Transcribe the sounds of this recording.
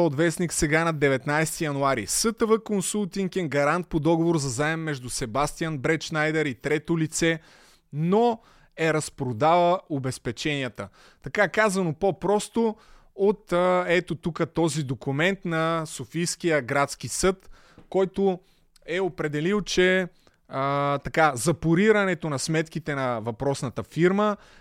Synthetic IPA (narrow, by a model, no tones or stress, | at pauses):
od̪vɛsniksɛɡanɐd̪ɛvɛt̪najst̪ijɐnuaɾḭsɤt̪əvəkonsulˠt̪iŋkɛŋɡɐɾant̪̚pod̪ɔɡovoɾzɐzaɛmːɛʒd̪usɛbast̪ijənbɾɛt͡ʃnajd̪ɛɾit̪ɾɛt̪olit̪sɛ | no | ɛɾɐspɾod̪avəobɛspɛt͡ʃɛniət̪ə | t̪ɐkakazɐnopopɾɔst̪o | ot̪ɛt̪ot̪ukət̪ɔzid̪okumɛnt̪nɐsofijskijəɡɾat̪sk̟isɤt̪ | kɔjt̪o | ɛopɾɛd̪ɛlilˠt͡ʃɛ | t̪ɐkazɐpuɾiɾɐnɛt̪onɐsmɛt̪k̟it̪ɛnɐvɐpɾɔsnɐt̪əfiɾmə